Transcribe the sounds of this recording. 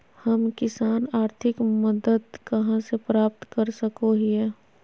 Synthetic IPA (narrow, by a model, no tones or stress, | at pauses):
həmkɪsaːnaːɾt̪ʰɪkməd̪əd̪kɐɦãsepɾaːp̚t̪kɐɾsəkoɦiɛ